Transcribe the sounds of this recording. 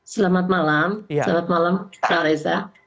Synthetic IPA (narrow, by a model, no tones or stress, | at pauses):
salamat̪̚malamalamat̪malamlaɾajsa